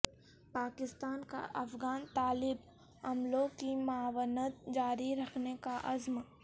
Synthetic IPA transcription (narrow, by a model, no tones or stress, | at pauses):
paːkɪst̪aːnka̰ʔɐfɡaːnt̪aːlɪb | ɐmlõkimaːwənət̪d͡ʒaːɾiɾɐkʰnekaʔɐzm